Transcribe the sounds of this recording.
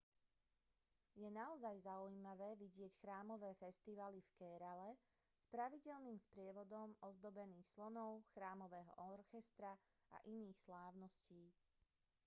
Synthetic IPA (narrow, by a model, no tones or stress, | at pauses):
jɛnaɔzajzaujiːmaʋɛːʋiɟɪɛcxɾaːmɔʋɛːfɛst̪iʋalifkɛɾalɛ | spɾaʋiɟɛlniːmspɾɪɛʋɔd̪ɔmɔzd̪ɔbɛniːxslɔnɔʊxɾaːmɔʋɛːɦɔ̰ʔɔɾxɛst̪ɾa | a̰ʔiniːxslaːʊnɔsciː